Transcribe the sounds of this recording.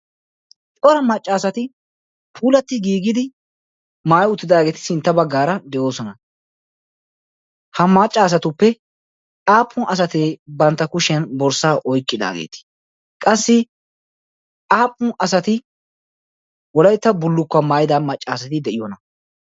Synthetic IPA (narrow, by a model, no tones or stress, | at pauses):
t͡sʼɔɾɐmɐt͡ʃʼːaːsɐt̪ɪ | pʰuːlɐt̪ːɪɡiːɡɪd̪ɪ | maːjʊt̪ːɪd̪aːɡe̞ːt̪ɪ̥sɪnt̪ːɐbɐɡːaːɾɐd̪ɛʔo̞ːsɔnɐ | hɐmɐt͡ʃʼːaːs̬ɐt̪ʊpːɛ | aːpʼːʊnʔɐs̬ɐt̪eːbɐnt̪ːɐkʊʃɛnbɔɾsaːʔɔjkʼːɪd̪a̰ːɡḛːt̪ɪ̥ | kʼɐsːɪ | aːpʼːʊnɐsɐt̪ɪ | wɔlɐjt̪ːɐbʊlːʊkːɐmaːjɪd̪amɐt͡ʃʼːaːsɐt̪ɪd̪ɛʔɪjɔnɐ